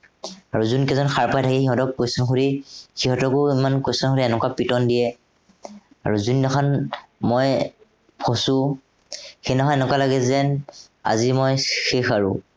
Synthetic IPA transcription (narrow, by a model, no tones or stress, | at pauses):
aɹuzunkɛzɔnxaɹpajtʰakɛxiɦɔtɔk̚ːosɔnxuɹixiɦɔtɔkʊimankosɔnxoɹiɛnɛkwapitɔndijɛ | a̰ɹuzunːɔkʰanmɔj | pʰɔsʊ | xenɔɦɔɛnɛkwalaɡɛzɛn | a̰zimɔjxexaɹṵ